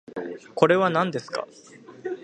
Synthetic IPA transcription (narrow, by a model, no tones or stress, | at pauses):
ko̞ɾe̞βanãnd̪e̞sɨ̥ka̰